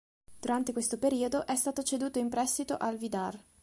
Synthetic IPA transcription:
d̪̥uɾant̪ekwest̪opeɾiːod̪oʔɛst̪aːt̪ot͡ʃed̪uːt̪oimpɾɛst̪it̪oʔalvid̪ar

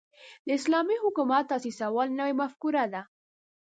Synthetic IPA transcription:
d̪əɪslɑmiɦʊkumat̪ːɑsisawɑlnəwemafkuɾad̪a

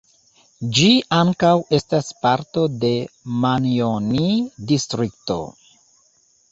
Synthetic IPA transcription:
d͡ʒiaŋkawe̞staspaɾto̞de̞manionidistɾikto̞̰

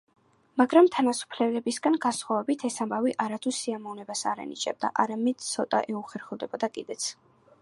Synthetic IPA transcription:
maɡɾamt̪ʰanasu̥pʰlɛlɛbisɡanɡansχwavɛbit̪ʰɛsambaviʔaɾat̪ʰusiamɔvnɛbasa̰ɾɛ̰nḭt͡ʃʼɛ̰b̚d̪a̰ʔaɾamɛd̪̥t̪sʰɔt̪ʼa̰ʔɛuχɛɾχɛvˠd̪ɛbɔd̪akʼid̪ɛt̪sʰ

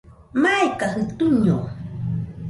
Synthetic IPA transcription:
majkahɪt̪ʊɲow

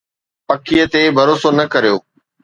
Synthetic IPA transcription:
pɐkʰijət̪ebʱɐɾoːsonɐkɐɾijoː

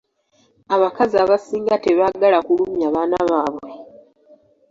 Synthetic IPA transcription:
aβakaziaːβasiːŋɡateβaɡalakulumjaβaːnaβaːβwe̞

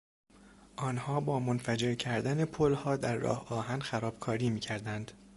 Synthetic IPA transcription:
ʔɒːnhɒːbɒːmonfæd͡ʒe̞ɾcʰæɾd̪æne̞pʰolhɒːd̪æɾːɒ̰ːhɒːɦænxæɾɒːb̥kʰɒːɾiːmiːcʰæɾd̪ænd̪̥

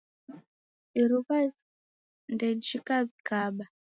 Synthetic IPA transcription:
iɾuβa | ndɛd͡ʒikaβikaɓa

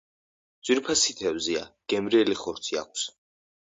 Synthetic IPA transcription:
d̪z̥wiɾpʰasit̪ʰɛvzia̰ɡ̥ɛmɾiɛliχɔɾt̪sʰia̰k̚ʷʰs

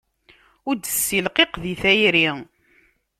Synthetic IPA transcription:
ʊɾd̪əsːilqeqðiθæjɾi

